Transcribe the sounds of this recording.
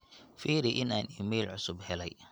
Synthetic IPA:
fiːɾɪʔɪnaːniːmɛːlʕʊsʊbhɛlɛj

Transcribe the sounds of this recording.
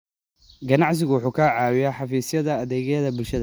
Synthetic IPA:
ɡɐnɑʕsɪɣʊwʊħuːkʰaːʕɑːwɪjaħɑfiːsjɐðɐːðɛːɣɛðɐbʊlʃɐðɐ

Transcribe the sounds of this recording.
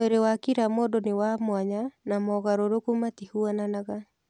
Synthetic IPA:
eɾewakiɾamodonewamwaɲanamɔɣaɾoɾokumatihuananaɣa

